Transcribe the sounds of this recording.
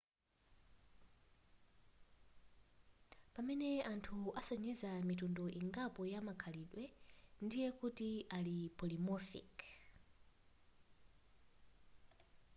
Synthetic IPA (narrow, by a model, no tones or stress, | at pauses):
pamɛnɛantʰuasɔɲɛzamitundɔʔiŋɡapɔjamakʰaliɗwɛndijɛkutialipɔlimɔfḭk